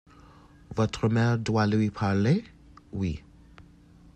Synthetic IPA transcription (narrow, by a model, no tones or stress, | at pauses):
vɔtʰɾəmɛɹdwaləwipʰaɹle | wḭ